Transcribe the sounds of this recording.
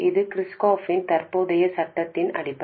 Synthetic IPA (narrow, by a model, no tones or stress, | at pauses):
ɪðɯkɾɪskoːfɪnt̪ɐɾpuɽɐjɐsɐʈːɐt̪ːɪnɐ̰ɽɪpːɐ